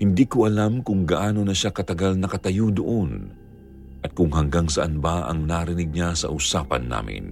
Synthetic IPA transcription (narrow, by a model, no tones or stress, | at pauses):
hɪnd̪iːkoʔɐlamkʊŋɡɐʔaːno̞nɐʃakɐt̪ɐɡalnɐkɐt̪ɐjod̪oʔon | ʔɐt̪̚kʊŋhɐŋɡaŋsɐʔɐnbaʔɐ̰ŋnaɾɪnɪɡ̚ɲasɐ̰ʔʊsaːpɐ̰nːa̰ːmɪ̰n